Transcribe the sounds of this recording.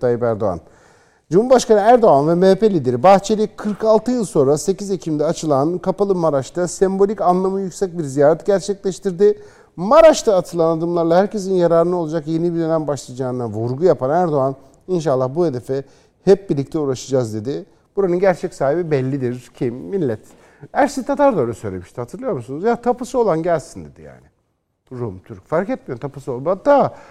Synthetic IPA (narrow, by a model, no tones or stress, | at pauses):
t̪ʰajipæɾd̪o̞̰a̰n | d͡ʒumhuɾbaʃkanɯæɾd̪o̞anvɛmeːpe̞lʲiːd̪eɾibaxt͡ʃʰe̞lʲikʰɯɾkalˠt̪ʰɯjɯlˠso̞nɾase̞cizecʰimd̪ɛat͡ʃʰɯlˠankʰapalˠɯmaɾaʃt̪ʰasɛmbo̞lʲicanlˠamɯjycsɛc̚biɾzijaːɾɛt̪̚ɟæɾt͡ʃʰɛclʲɛʃt̪ʰiɾd̪ɪ | maɾaʃt̪ʰaːt̪ʰɯlˠanad̪ɯmlˠaɾlˠahæɾcʰe̞s̬injaɾaːɾɯnɯolˠad͡ʒakje̞nibid̪ø̞næmbaʃlˠad͡ʒaːnd̪avuɾɡujapʰanæɾd̪o̞an | inʃ̬alˠːahbuhe̞d̪e̞fɛ | hɛp̚biɾlʲic̚t̪ʰɛuɾaʃɯd͡ʒazd̪e̞d̪ɪ | b̥uɾanɯnɟæɾt͡ʃʰɛcsaːɦibibɛlʲːid̪iɾcʰimːilʲːɛt̪ | æɾsit̪ʰat̪ʰaɾd̪ojɾasø̞jlʲemiʃt̪ʰihat̪ʰɯɾlˠɯjo̞ɾmusunuzjat̪ʰapɯsɯo̞lˠanɟælʲsind̪e̞d̪ḭja̰ːnɪ | ɾumt̪ʰyɾc̚faɾkɛt̪̚mijot̪ʰapɯsolˠat̪ːa